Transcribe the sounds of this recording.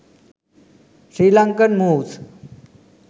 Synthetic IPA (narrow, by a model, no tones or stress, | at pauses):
ɕɾilaŋkənmut͡s